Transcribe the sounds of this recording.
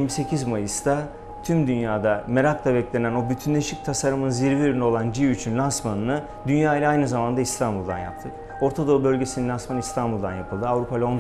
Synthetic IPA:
iɾmise̞cʰizmajɯst̪ʰa | t̪ʰymd̪ynjaːd̪ame̞ɾakt̪ʰˠabɛclʲe̞næno̞byt̪ʰynlʲeʃic̚t̪ʰasaɾɯmɯnziɾviøɾynio̞lˠand͡ʒiyt͡ʃʰynlʲansmanɯnɯ | d̪ynjaːilʲɛajnɯzamand̪aist̪ʰanbulˠd̪a̰nja̰p̚t̪ʰɯk | o̞ɾt̪ʰad̪oubø̞lʲɟe̞sininʲansmanist̪ʰanbulˠd̪a̰njapʰɯlˠd̪ɯavɾupʰalʲon

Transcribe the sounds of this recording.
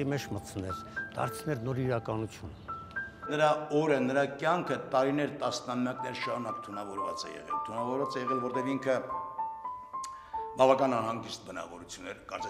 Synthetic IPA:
imɛt͡ʃʰmət͡sʰnɛɾd̪̥ɑ̰ɾt͡sʰnɛɾnɔɾiɾɑkɑnut͡sʰjunənəɾɑɔɾənəɾɑkjɑŋkʰət̪ɑɾinɛɾt̪ɑsnɑmjɑknɛɾʃɑɾunɑkt̪ʰunɑvɔɾvɑ̰t͡sɛ̰jɛ̰ʁɛ̰lt̪ʰunɑvɔɾvɑt͡sɛjɛʁɛlvɔɾt̪ɛviŋkʰə | bɑvɑkɑnɑnɦɑŋɡist̪̚bənɑ̰vɔɾut͡sʰjunːɛɾkɑɾt͡sɛ

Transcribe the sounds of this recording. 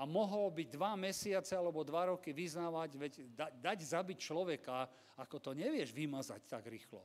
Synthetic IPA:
amɔɦɔlbiɟd̪ʋamɛsɪat͡sɛalɛbɔd̪ʋaɾɔkiʋiznaːʋaɟʋɛɟd̪ad̪aɟzabict͡ʃlɔʋɛkaː | kɔt̪ɔɲɛʋɪɛʒʋimaza̰ct̪aɡɾiːxlɔ̰

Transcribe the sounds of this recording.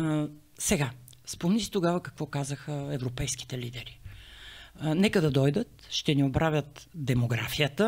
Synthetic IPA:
sɛɡa | spomnisi̥t̪oɡavəkɐkvɔkazəxəɛvɾopɛjski̥t̪ɛlid̪ɛɾi | nɛkəd̪ɐd̪ɔjd̪ət̪ʃt̪ɛniobɾavʲjət̪d̪ɛmoɡɾa̰fijət̪ə

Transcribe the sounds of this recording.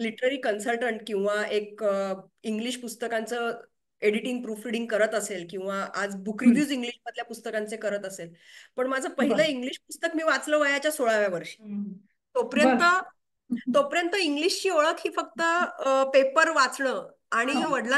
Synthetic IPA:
liʈəɾəɾiːkənsəlʈəɳʈkĩw̃ʋaekə | iŋɡliːɕpust̪əkant͡sə | eɽiʈiŋɡ̚pɾuːfɾiɽiŋɡkəɾət̪əselkĩw̃ʋaʔad͡zbʱukɾibjuːd͡ziŋɡliɕməd̪ljapust̪əkant͡sekəɾət̪əselpəɳmad͡zʱəpəɦiləiŋɡliːɕpust̪əkmiːʋat͡sləːʋəjat͡ɕjasoɭaʋjaʋəɾɕi̥ː | t̪opɾjət̪ə | t̪opɾjənt̪əiŋɡliɕt͡ɕiːoɭəkɦiːfəkt̪əpepəɾʋat͡sɳəː | aɽ̃iʋəɽla

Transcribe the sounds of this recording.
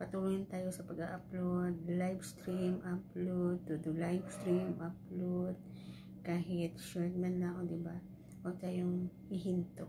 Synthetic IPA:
pɐt̪uluːjɪnt̪aːjo̞sɐpɐɡaʔɐplod̪̚lajbst̪ɾimʔɐplod̪̚t̪ʊd̪ʊlajbst̪ɾimʔaplod̪̚ | kaːɦɪt̪̚ʃɛlt̪̚mɐnlaŋod̪ɪba | ʔot̪aːjoŋʔɪɦɪnt̪o

